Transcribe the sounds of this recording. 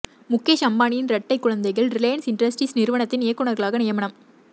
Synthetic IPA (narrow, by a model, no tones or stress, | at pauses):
mʊkːeʃɐmbaːnɪjɪnɾɐʈːɐɪkːʊɻɐnd̪ɐɪɣɐɭɾɪleːnsɪnɖɾɐsʈisnɪɾɯʋɐɳɐt̪ːɪnɪjɐkːɯɳɐɾɣɐɭaːɣɐnɪjɐmɐɳɐm